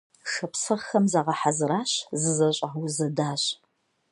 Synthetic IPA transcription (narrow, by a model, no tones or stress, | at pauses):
ʂɐpsɐʁxɐmzaːʁɐħazɨɾaːɕzɨzɐɕʼaːwʊzɐdaːɕ